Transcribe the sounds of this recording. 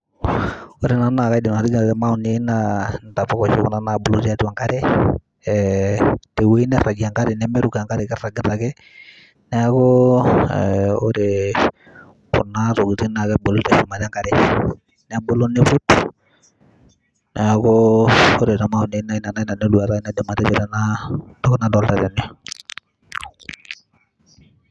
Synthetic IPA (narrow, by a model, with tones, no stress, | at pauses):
oɾe˨na˨na˨ka˦i˦dɪ˨na˨ti˦ɡna˨tɛ˦ma˦u˨ne˦nanta˨fɔ˦kɔ˨t͡ʃo˦kɔ˦na˨na˨bo˨lo˦ti˦a˦ta˨ŋka˦ɾe˦ | ɛ | te˨we˦nɛ˦ra˨ɡi˨a˨ŋka˦ɾe˨nɛ˦mɛ˦ɾuka˨ŋka˦ɾe˨kɛ˦ra˨ɡɪ˨ta˨kɛ˦ | nɛ˦kɔ | ɛo˦ɾe | ko̰˨na˦ɾo˨ɡi˨ti˦na˨kɛ˦bo˨lo˦tɛ˨ʃu˨ma˨ɾa˦ŋɡa˦ɾe˨ | nɛ˦bo˦lo˦ne˦pu˦t | nɛ˨koo˦ɾe˨ta˨ma˦o˨ne˦na˦i˦na˨na˦i˦na˨ne˦lwa˨ɾa˦i˦nɛ˦de˨ma˨tɛ˦t͡ʃɛ˨ɾɛ˦na˦dɔ˦kna˦dɔ˨lta˨ta˨ni˦ɔ˦